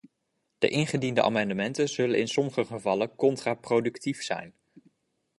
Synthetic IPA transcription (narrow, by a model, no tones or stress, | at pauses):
d̥ə̰ʔɪnχədindəʔa̰ːmɑndəmɛntənz̥ɵlənɪnsɔməχəχəvɑləkɔntraːprowdʉktifsɛ̰jn